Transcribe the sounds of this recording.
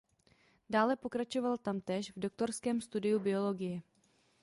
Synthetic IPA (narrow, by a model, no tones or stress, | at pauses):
daːlɛpo̞kɾat͡ʃo̞valt̪amt̪ɛːʃvdo̞k̚t̪o̞ɾskɛːmst̪udɪjubɪo̞lo̞ɡɪjɛ